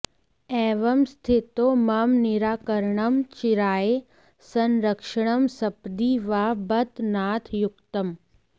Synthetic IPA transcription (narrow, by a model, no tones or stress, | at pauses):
ɛːʋɐmst̪ʰɪt̪omɐmnɪɾaːkəɾɳɐmt͡ʃɪɾaːe | sɐnɾəkʃəɳ̃ɐmsɐpd̪iʋaːbɐt̪naːt̪ʰjʊkt̪ɐm